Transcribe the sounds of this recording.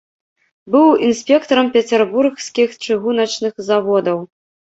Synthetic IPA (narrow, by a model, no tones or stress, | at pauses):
bɨwinsʲpʲɛkt̪ɐɾɐmpʲɛt͡sʲɛrbursʲkʲixt͡ʂɨɣunɐt͡ʂnɨxzavɔd̪ɐw